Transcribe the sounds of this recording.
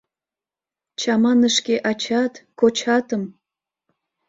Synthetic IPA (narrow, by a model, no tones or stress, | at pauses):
t͡ɕɑmɑnəʃkeʔɑt͡ɕɑt̪kot͡ɕɑt̪əm